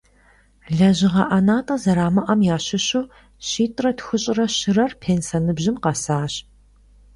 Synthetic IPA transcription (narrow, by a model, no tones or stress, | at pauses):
ɮɐʑɪʁɐʔɐnaːtʼɐzɐɾaːmɐʔɐmjaːɕɪɕuː | ɕiːtʼrɐtxʊɕʼɪrɐɕɪrɐrpʰeːnsɐnɨbʑɪmqɑsaːɕ